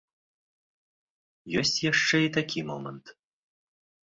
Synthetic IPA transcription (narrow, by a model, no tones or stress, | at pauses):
jɔsʲt͡sʲjaʂt͡ʂɛit̪akʲimɔmənt̪